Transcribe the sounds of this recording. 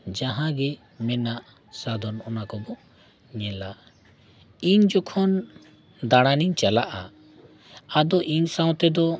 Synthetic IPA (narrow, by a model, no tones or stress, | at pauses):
d͡ʒãɦãɡɛ | mɛnaʔ | sad̪ʱɔnɔnakɔbɔ | ɲɛ̃la | iɲd͡ʒɔkʰɔn | d̪aɽ̃aniɲt͡ʃalaʔa | ad̪ɔʔiɲsãw̃t̪ɛd̪ɔ